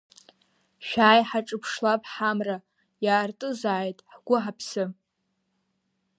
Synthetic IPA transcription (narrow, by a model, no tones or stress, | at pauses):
ʃᶣaːjħaʈ͡ʂʼɨpʰʂlapʼħamra | jaːrtʼɨzaːjtʼħɡʷʊħapʰsɨ